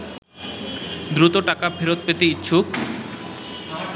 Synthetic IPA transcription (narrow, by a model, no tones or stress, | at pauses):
d̪ɾut̪oʈakabʰeɾot̪̚pet̪eitːɕʰuk